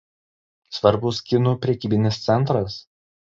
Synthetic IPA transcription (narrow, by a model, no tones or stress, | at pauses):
sʋɐɾbʊskʲɪnupʲɾʲɛkʲiːbʲɪnʲɪst̪sʲɛnˑt̪ɾɐs